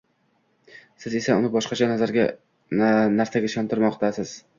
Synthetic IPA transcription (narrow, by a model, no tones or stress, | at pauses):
sɪze̞saʊnɪbɒʃqɑt͡ʃʰanazaɾɡʲa̰ | naɾsaɡʲaɪʃɒnt̪ʰɪɾmɒqt̪ʰasɪz̥